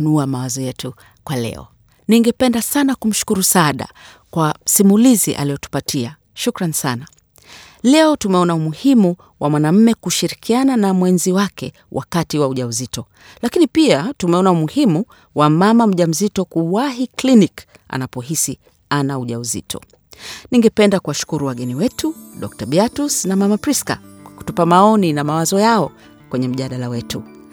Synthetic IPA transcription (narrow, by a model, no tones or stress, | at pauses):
nuamawazɔjɛtu | kwalɛ̰ɔ̰ | niŋɡɛpɛndasanakum̩ʃu̥kuɾusaːɗa̰ | kwasimuliziʔa̰lijɔtu̥patia | ʃukɾansana | lɛɔtumɛɔnaumuhimu | wamwanam̩mɛkuʃiɾikiananamwɛnziwakɛ | wʔa̰katiwauʄauzitɔ | lakinipiatumɛɔnaumuhimu | wamamam̩ʄam̩zitɔkuwaɦiklinik | a̰napɔhisi | anauʄa̰uzḭtʰɔ̰ | niŋɡɛpɛndakuwaʃu̥kuɾuwaɡɛniwɛtuɗɔk̚taɓiatusnamamapɾiska̰kwḁku̥tupamaɔninamawazɔjaɔ | kwɛɲɛm̩ʄaɗalawɛtu